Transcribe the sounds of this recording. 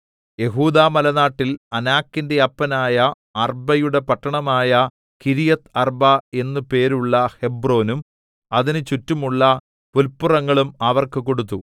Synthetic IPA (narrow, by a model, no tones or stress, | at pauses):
je̞ɦuːd̪aːmɐlɐnaːʈːilɐnaːkːinde̞ɐpːɐnaːjɐː | rbɐjuɽe̞pɐʈːɐɳɐmaːjɐ | kiɾijɐt̪ɐrbɐe̞nːɨpe̞ːɾuɭːɐhe̞bro̞ːnum | ɐðinɨt͡ɕutːumuɭːɐ | pulpːurɐŋːɐɭumɐʋɐrkɨko̞ɽut̪̬ːu